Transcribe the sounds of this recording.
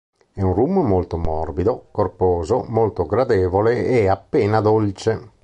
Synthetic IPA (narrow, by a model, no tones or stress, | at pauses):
ɛunrumːmolt̪omɔrbid̪okorpoːzomolt̪oɡɾad̪ɛːvoleeapːeːnad̪olt͡ʃe